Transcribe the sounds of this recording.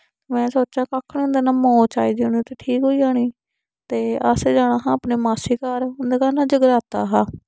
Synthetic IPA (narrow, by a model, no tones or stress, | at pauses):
t̪emɛ̃ːsoːt͡ʃãːkaːkʰːnːʊ̃nd̪eːnaːmãːt͡ʃaːiːd̪iːʊniːt̪eːʈʰiːkɦoːiːaːɽ̃iː | t̪eːəseːd͡ʒaːɽãːɦãːapneːmaːsiːkaːɾʊnd̪eːkaːnãːd͡ʒəɡəɾaːt̪aːɦaː